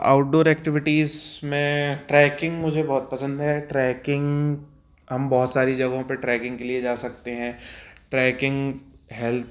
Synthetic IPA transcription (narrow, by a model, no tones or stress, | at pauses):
a̰ːʊʈ̚ɖoːɾɛːkʈɪʋɪʈiːzmẽʈɾɛːkɪ̃ŋɡmʊd͡ʒʱebɔːt̪̚pɐsə̃nd̪ɦɛʈɾɛːkɪ̃ŋɡ | ɦɐmbɔːʊt̪saːɾid͡ʒɐɡõpeʈɾɛːkɪ̃ŋɡkelied͡ʒaːsɐk̚t̪eɦɛ̃ːʈɾɛːkɪ̃ŋɡɦɛlt̪ʰ